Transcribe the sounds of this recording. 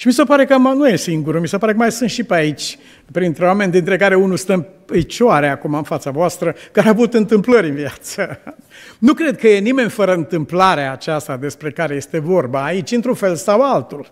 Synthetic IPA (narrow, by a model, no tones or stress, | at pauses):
ʃimisepaɾe̞kəmanuje̞siŋɡuɾumisepaɾe̞kəmajsunt̪ʃipeait͡ʃʲ | pɾint̪ɾeowame̞nʲd̪int̪ɾe̞kaɾe̞unulst̪əmet͡ʃaɾeakumaɨnfat̪savoast̪ɾəkaɾeavuut̪ɨnt̪ɨmpləɾʲɨnviat̪sə | nukɾe̞d̪̚kəje̞nime̞nʲfəɾəɨnt̪ɨmplaɾeaːt͡ʃast̪ad̪e̞spɾe̞kaɾe̞je̞st̪e̞vo̞rbaːit͡ʃʲɨnt̪ɾunfe̞lsawalt̪ul